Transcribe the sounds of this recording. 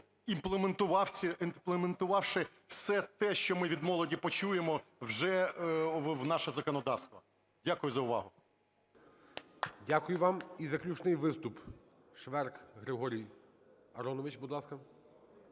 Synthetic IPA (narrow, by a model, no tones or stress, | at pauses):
implˠement̪ʊʋɑwʲɪinplˠement̪ʊʋɑwʃɪ | wsɛt̪ɛʃt͡ʃɔmɪʋʲid̪mɔlˠɔdʲipɔt͡ʃujemɔwʒɛ | wnɑʃɛzɐkɔnɔd̪ɑwst̪ʋɐ | dʲakʊjʊzɐʊʋɑ̰ɦʊ | dʲakʊjʊʋɑmizɐklʲut͡ʃnɪjʋɪst̪ʊp | ʃʋɛrkɦɾɪɦɔɾʲij | ɐɾɔnɔʋɪt͡ʃbud̪lˠɑskɐ